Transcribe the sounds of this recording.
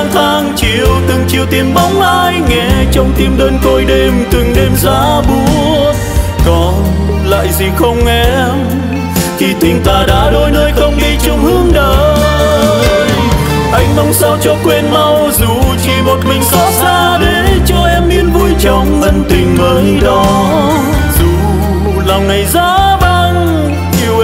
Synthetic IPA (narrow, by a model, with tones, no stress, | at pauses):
ŋt̪ʰaː˧ŋt͡ɕi˧əwt̪ɨ˨˩ŋt͡ɕi˧əwt̪i˧˩mɓɔ˨˦wŋ͡mʔaː˧jŋɛ˧˩t͡ɕɔ˧wŋ͡mt̪i˧əmɗəː˧nko˧jɗe˧mt̪ɨ˨˩ŋɗe˧mzaː˧˦ɓu˧˦ə | kɔ˨˦n | la̰ː˧˨jzi˨˩xə˧wŋ͡mʔɛ˧m | xi˧˩t̪ï˨˩ŋ̟t̪aː˨˩ɗa̰ː˧˥ɗo˧jnəː˧jxə˧wŋ͡mɗi˧t͡ɕʊ˧ŋ͡mhɨ˧˦əŋɗə˨˩ | ʔa˨˧jŋ̟mə˨˦wŋ͡msaː˧wt͡ɕɔ˧kwe˧nma˧w | zu˨˩t͡ɕi˧˩mo˨˩t̚mï˨˩ŋ̟kɔ˨˦saː˧ɗe˨˦t͡ɕɔ˧ʔɛ˧mːi˧nvu˧jt͡ɕɔ˨˧˩wŋ͡mʔə˧˩nt̪ï˨˩ŋ̟məː˨˦jɗɔ˨˦ | zu˨˩ | laː˨˩wŋa˨˩jzaː˧˦ɓa˧ŋ | ʔi˧əw